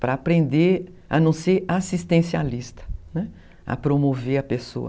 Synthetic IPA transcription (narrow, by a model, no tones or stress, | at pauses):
pɾɐapɾẽnd̪e | ɐ̰nɐ̃w̃seɾasist̪ẽsialist̪ɐ̥nɛ | ɐ̰pɾomoveɾɐpeso̰ɐ̰